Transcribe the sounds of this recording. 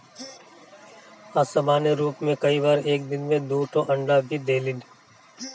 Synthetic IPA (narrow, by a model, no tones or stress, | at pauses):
asɐmaːneɾuːpmẽkɐiʋaːɾeːk̚d̪ɪnmẽd̪uːʈʰõʔɐ̃ɳɖabʱid̪eːlɪn